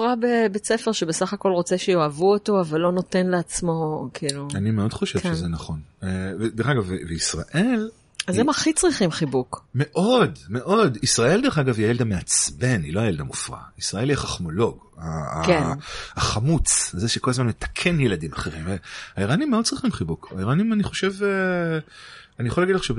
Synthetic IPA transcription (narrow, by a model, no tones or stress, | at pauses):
fʁabebet͡sefeʁʃebesaχako̞lʁot͡seʃejo̞avuoto̞avalːo̞no̞te̞nleat͡smo̞kʰiluanimeo̞dχo̞ʃevʃezenaχo̞neved̪eχaɡaveveisʁa̰ʔe̞l | azemaχit͡sʁiχimχibukme̞ʔo̞dme̞ʔo̞disʁaʔe̞lde̞χaɡaviajeld̪ameat͡sbe̞nilo̞ajeldamufʁa̰isʁae̞ljɛχaχmo̞lo̞ɡ | a | aχamut͡shazeʃekolazmanmet̪ḁkʰe̞njeladimaχe̞ʁimveaiʁanimːeod̥̪̚t͡sʁiχimχibukaiʁanimaniχo̞ʃe̞ve | anijaχolaɡidleχʃe